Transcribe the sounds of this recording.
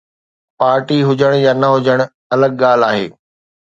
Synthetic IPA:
paːɾʈiɦʊd͡ʑəɽ̃jaːnɐɦʊd͡ʑəɽ̃ | ɐləɡ̚ɠaːl̤aːɦḛː

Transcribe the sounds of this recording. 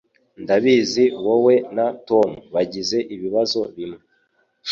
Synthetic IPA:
ndaβiziwowe̞nato̞muβaɟize̞ʔiβiβazo̞βimŋe

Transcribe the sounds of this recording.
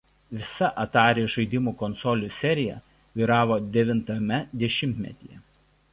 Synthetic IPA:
ʋʲɪsɐʔɐt̪ɑːɾʲeːʒɐɪd̪ʲɪmuːkɔnsɔlʲuˑsʲɛɾʲɪjɛ | ʋʲiːɾɑːʋoːd̪ʲɛʋʲɪnt̪ɐmʲɛd̪ʲɛʃʲɪmʲt̪ʲmʲɛ̰t̪ʲijɛ

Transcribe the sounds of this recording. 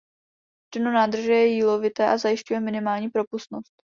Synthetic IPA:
t͡ʃɛnonaːd̪r̩ʒɛjɛjiːlovɪt̪ɛːʔazajɪʃcujɛmɪnɪmaːlɲiːpɾo̞pust̪no̞st̪

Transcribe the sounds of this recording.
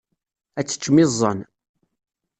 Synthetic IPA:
æt͡sːə̥t͡ʃːmɪzˤːə̰n

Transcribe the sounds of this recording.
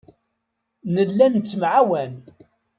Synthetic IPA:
nəlːænt͡sːəmʕawæn

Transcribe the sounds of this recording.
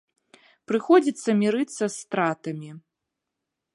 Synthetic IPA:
pɾɨxɔd͡zʲit̪sːɐmʲiɾɨt̪sːɐst̪ɾat̪ɐmʲi

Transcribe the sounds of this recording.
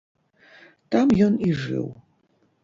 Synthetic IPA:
t̪amjɔniʐɨ̰w

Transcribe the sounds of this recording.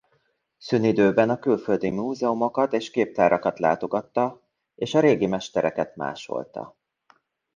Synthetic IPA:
synid̪øːbɛnɒkylfø̞ld̪imuːzɛomo̞kɒt̪eːʃkeːp̚t̪aːɾʔɒkɒt̪la̰ːt̪o̞ɡɒt̪ːɒ | eːʃɒɾeːɡimɛʃt̪ɛɾʔɛkɛt̪ma̰ːʃo̞̰lt̪ɒ̰

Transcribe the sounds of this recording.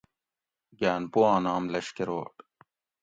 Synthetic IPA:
ɡaːnpoːãːnaːmlɐɕkeɾoːʈ

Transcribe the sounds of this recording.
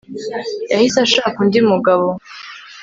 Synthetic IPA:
jahisaʃaːkundimuɡaβo

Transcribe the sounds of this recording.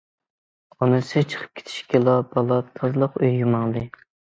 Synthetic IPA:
ɑnɨsɨt͡ʃʰə̥qʰə̥p̚kʲʰe̥t̪ʰʃkʲɛlˠɑbɑlˠɑt̪ʰɑzlˠəqøjːumɑŋd̪ɨ

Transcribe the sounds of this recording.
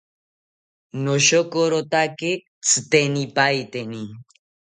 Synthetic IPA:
noʃokoɾot̪ake | t͡sʰɨt̪enipajt̪eni

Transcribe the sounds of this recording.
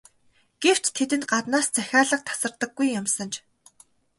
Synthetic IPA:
ɡ̥ew̥t͡ɕt̪ʰːet̪ɘ̆nt̪̚ɢat̪naːst͡sæxʲaːɮə̆q̚t̪ʰḁsə̆rt̪ə̆ɡːujːamsə̆nt͡ɕ

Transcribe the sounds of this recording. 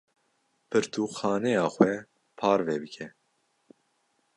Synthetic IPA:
pʰɨɾt̪ʰuːxɑːnɛjɑːxʷwɛ | pʰɑːɾvɛːbɨkʰɛ

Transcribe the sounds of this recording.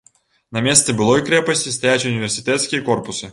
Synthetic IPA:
nɐmʲɛst̪sɛbɨlˠɔjkɾɛpɐsʲt͡sʲist̪ajat͡sʲunʲivʲɛrsʲit̪ɛt̪skʲijɐkɔrpusɨ

